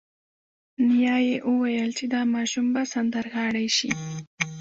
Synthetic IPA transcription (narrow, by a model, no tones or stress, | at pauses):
njɑjeʔəwajəlt͡ʃed̪ɑmɑʃumbasand̪aɾɣɑɽajʃḭ